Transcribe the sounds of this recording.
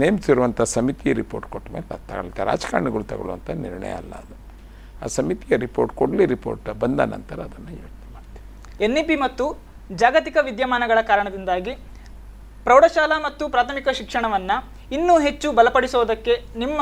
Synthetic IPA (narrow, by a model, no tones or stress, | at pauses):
neːmsiɾuʋɐnt̪ʰɐsɐmit̪ijɐɾipoːɾʈkoʈːmeːlɐt̪ːɐɡɐɭit̪eɾa̰ːd͡ʒka̰ːɾɳiɡɐɭut̪ɐɡɐ̰ɭuʋɐ̰nt̪ʰɐniɾɳɐ̰jɐ̰ɐ̰lːɐ̰ːd̪u | aːsɐmit̪ijɐɾipoːʈkoɽliɾipo̰ːɾʈbɐnd̪ɐ̰nɐ̰nt̪ɐɾɐːd̪ɐnːujiːɐd͡ʒnɛmaːɖt̪iʋi | enːipimɐt̪ːu | d͡ʒaːɡɐt̪ikɐʋid̪jɐmaːnɐɡɐɭɐkaːɾɐɳɐd̪ind̪aːɡi | pɾɐwɽɐʃaːlɐmɐt̪ːupɾaːt̪ʰɐmikɐʃikʂɐɳɐʋɐnːɐ | inːuɦe̞t͡ʃːubɐlɐpɐɽisɔʋɐd̪ɐkːe̞nimːɐ